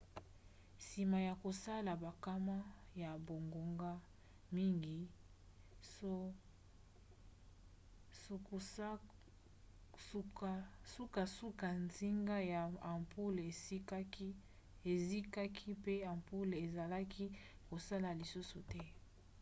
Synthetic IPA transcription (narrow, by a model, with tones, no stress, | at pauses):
si˨ma˨ja˨ko˨sa˦la˨ba˨ka˦ma˦ja˨bo˨ŋɡo˨ŋɡa˦ | mi˦ŋɡi˨˦˨ | su˦ka˨su˦ka˨nzi˦ŋɡa˦ja˨pu˦le˨˦ | e˨zi˦ka˦kʰi˦pe˦a˨mpu˦le˨za˨la˦kʰi˦ | ko˨sa˦la˨li˨su˦su˨tɛ˦